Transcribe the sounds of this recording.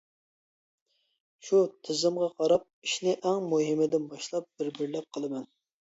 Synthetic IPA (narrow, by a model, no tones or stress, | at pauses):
ʃut̪ʰɪzɪmʁɑqʰɑɾɑp̚iʃnɪʔɛŋmuɦɪmɪd̪ɪnbɑʃlˠɑp̚b̥ɪɾbɪɾlɛp̚qʰəlˠɨmɛn